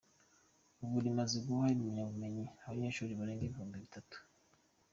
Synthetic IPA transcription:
uβuɾimaziɡɡuwaiuɲaβume̞ɲiaβaɲeːʃuːɾiβaɾeːŋɡeβiɦuːmdeβitatu̥

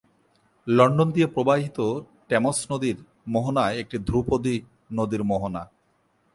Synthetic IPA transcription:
lɔɳɖond̪iepɾobaɦit̪o | ʈemosnod̪iɾ | moɦonaeek̚ʈid̪ʱɾupod̪i | nod̪iɾmoɦona

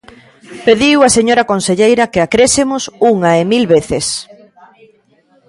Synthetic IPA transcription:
peðiwɐseɲoɾɐkonseʎejɾɐkeakɾesemʊsuŋɐemilβeθes

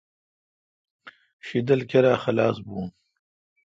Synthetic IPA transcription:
ʃid̪ɐlkeɾaːxɐlaːsbuː

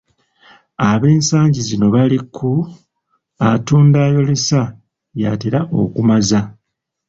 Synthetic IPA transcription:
aβe̞ːnsaːɲɟizino̞βalikʰːu | atuːndaːjo̞lesa | jaːtiɾaʔo̞̰kumaza

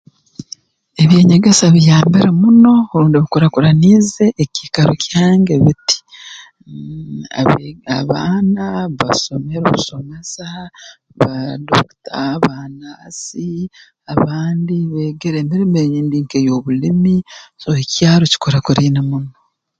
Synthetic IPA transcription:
e̞βje̞ːɲaɡesaβijaːmbiɾemuno̞ːɾuːndiβikoɾakuɾanize̞ʔːciːkaɾocjaːŋɡe̞βiti̥ | aa̰βaːnaβa̰so̞me̞ɾo̰βuso̞me̞sa | βado̰ktʰaβanaːsi | aβaːndiβeːɡeɾeːmiɾimejiːndiːŋkejo̞ːβulimisoecjaːɾoci̥koɾakuɾiːnamuno̞

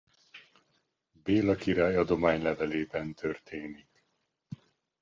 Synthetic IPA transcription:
beːlɒkiɾaːjɒd̪o̞maːɲlɛvɛleːbɛnt̪ʰørt̪ʰeːnik

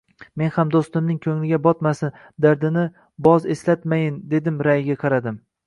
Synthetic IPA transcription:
me̞nhamd̪ost̪ɪmnɪŋkʲʰɵŋlɪɡʲabɒt̪masɪn | d̪aɾd̪ɪnɪ | bɒze̞slat̪majɪnd̪e̞d̪ɪmɾajɪɡʲaqʰɑɾad̪ɪm

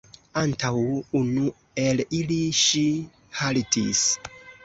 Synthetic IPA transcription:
antʰawunu | e̞liliʃi | haltḭs

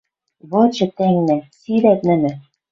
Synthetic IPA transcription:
βɤ̆t͡ɕɤ̆t̪æŋnæ̆siɾæt̪nɘ̆nɘ̆

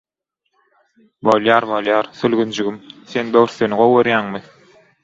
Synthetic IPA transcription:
bolˠjɑːɾbolˠjɑːɾθølɣynd͡ʒyɡymθenbøɣɾθønyʁowoɾjæːŋmɯ

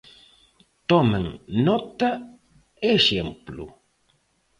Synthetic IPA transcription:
t̪ɔmeŋnɔt̪ɐ | eʃemplṵ

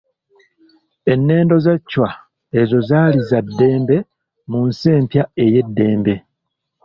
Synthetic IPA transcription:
e̞nːe̞ːndo̞zacːwa | e̞zo̞zaːlizadːe̞ːmbe̞ | munse̞ːmpjae̞je̞dːe̞ːmbe̞

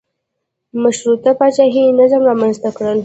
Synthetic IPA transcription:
maʃɾut̪apat͡ʃaɦinazamɾɑmanzt̪akɽəl

